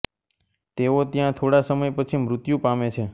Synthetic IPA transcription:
t̪eot̪jãt̪ʰoɽasəməjpət͡ʃʰimɾʊt̪jũpamet͡ʃʰe

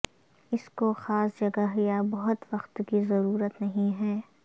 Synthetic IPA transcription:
ɪskoxaːsd͡ʒɐɡaɦijabɐɦʊt̪ʋɐxt̪kizɐɾuːɾət̪nɐɦĩɦɛː

